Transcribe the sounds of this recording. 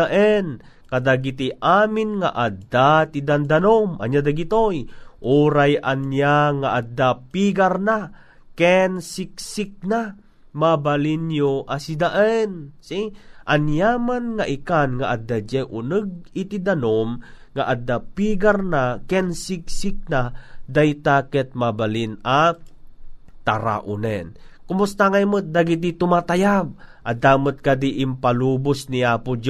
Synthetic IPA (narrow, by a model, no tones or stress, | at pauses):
aʔɛn | kad̪aɡit̪iʔaːmɪnŋa̰ʔad̪at̪id̪and̪anomʔa̰njad̪aɡit̪ojʔuːɾajʔanjaŋaʔad̪apiɡarna | kɛnsik̚sik̚na | mabalinjoʔasid̪aʔɛnsiʔanjamanŋaʔikanŋaʔad̪ad͡ʒɛʔʊnəɡ̚ɪt̪id̪anomŋaʔad̪ːapiːɡaɾnakɛnsik̚sɪk̚nad̪ajt̪akɛt̪̚mabalina | t̪aɾa̰ʔʊnɛnkʊmʊst̪aŋajmət̪̚d̪aɡit̪̬it̪ʊmat̪ajab̚ʔad̪aːmʊt̪̚kad̪iʔɪmpaluːbʊsniaːpʊd͡ʒ